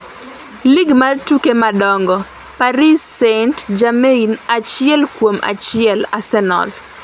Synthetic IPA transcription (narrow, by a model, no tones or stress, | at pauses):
liɡmartukemadɔŋɡɔ | paɾisentd͡ʒameinat͡ʃɪɛlkwomʔa̰t͡ʃɪɛlasɛnɔ̰l